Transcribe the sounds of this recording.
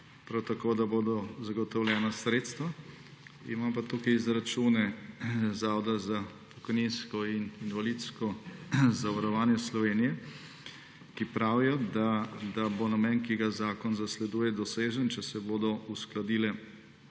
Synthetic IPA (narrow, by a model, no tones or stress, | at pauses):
pɾawt̪akoːd̪aboːd̪ɔzaɡɔt̪ɔwlʲjɛːnasɾeːt̪st̪ʋa | ḭmampat̪ukɐjizɾat͡ʃuːnɛzaːwd̪azapɔ̥kɔjninskɔininʋalit̪skɔzaʋaɾɔʋaːnjɛslɔʋeːnijɛ | kipɾawijɔd̪ad̪abonamɛnkiɡazaːkɔnzaslɛd̪uːjɛd̪ɔseːʒənt͡ʃɛsɛboːd̪ɔusklad̪iːlɛ